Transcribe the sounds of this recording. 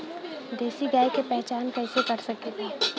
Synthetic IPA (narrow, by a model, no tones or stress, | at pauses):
d̪eːsiɡaːjkepɛɦt͡ʃaːnkɛːɪsekɐɾsɐket̪ʰeː